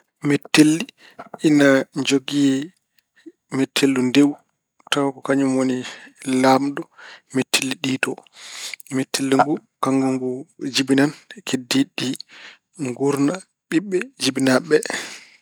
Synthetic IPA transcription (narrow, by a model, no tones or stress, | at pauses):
mɛtːelːi | inad͡ʒoɡiɛ | mɛtʰːelːundew | tawakɔkaɲumwonilamdɔmɛtʰːelːiɗiːtɔ | mɛtʰːelːiŋɡu | kaŋɡuŋɡud͡ʒibinankʰediɗi | ŋɡuɾna | ɓiɓːɛd͡ʒibinaɓɛ